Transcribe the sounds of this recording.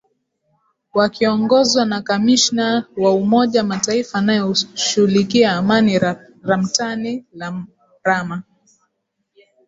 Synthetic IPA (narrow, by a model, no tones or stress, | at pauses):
wakiɔŋɡɔzwanakamiʃnawaumɔʄamataifaːnajɔʃuhulikiaːmani | ɾam̩tani | ɾama